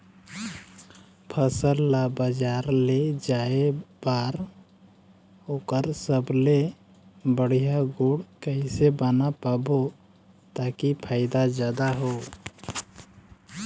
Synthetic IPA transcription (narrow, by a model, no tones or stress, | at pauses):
pʰəsəlːabəd͡ʒaːɾled͡ʒaːebaːɾ | oːkəɾsəble | bəɽ̤ijaɡuɽkəisebanapaːbo | t̪akipʰaːɪd̪ad͡ʒjaːd̪aɦoː